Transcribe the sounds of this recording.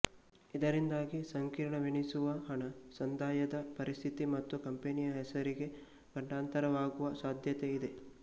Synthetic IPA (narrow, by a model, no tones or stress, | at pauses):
id̪ɐɾind̪aːɡisɐŋkiːɾɐɳɐʋiɳisuʋɐɦɐɳɐsɐnd̪aːjɐd̪ɐpɐɾist̪ʰit̪imɐt̪ːukɐmpenijɐɦɛsɐɾiɡe̞ | ɡ̥ɐɳɖaːnt̪ɐɾɐʋaːɡuʋɐsaːd̪ʱjɐt̪eid̪e